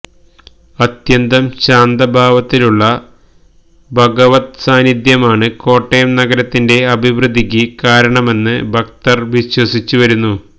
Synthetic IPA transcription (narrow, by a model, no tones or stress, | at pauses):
ɐt̪jɐnd̪ɐmɕaːnd̪ɐbʱaːʋɐt̪ːiluɭːɐ | bʱɐɡɐʋɐt̪saːnid̪jɐmaːɳɨko̞ːʈːejɐmnɐɡɐɾɐt̪ːinde̞ɐbʱiʋrɨd̪ʱik̬ʲːɨkaːɾɐɳɐme̞nːɨbʱɐk̚t̪ɐrʋiɕwɐsit͡ɕːuʋɐɾunːu